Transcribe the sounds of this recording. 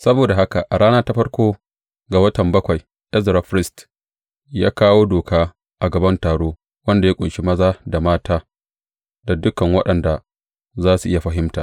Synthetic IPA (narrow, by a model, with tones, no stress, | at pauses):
sɐ˦boː˨da˨ɦa˦ka˨ʔa˨ɽaː˦naː˦ta˦ɸɐ˦ɽkʷoː˦ | ɡa˨wɐ˦tɐ˨mbɐ˦kʷa˨j | ʔɛ˦zɾa˨ɸɾɪ˦st | ja̰ː˦kaː˦woː˦doː˨kaː˦ | ʔa˨ɡɐ˨bɐ˦ntaː˨ɽoː˦ | wɐ˦nda˨ja˦kʷʼʊ˨ʃi˦mɐ˦zaː˦da˨maː˦taː˦ | da˨dʊ˦kɐ˨ŋwɐ˦ɗɐ˨nda˨ | zaː˦su˨ʔɪ˦ja˨ɸɐ˦ɦɪ˦mta̰ː˨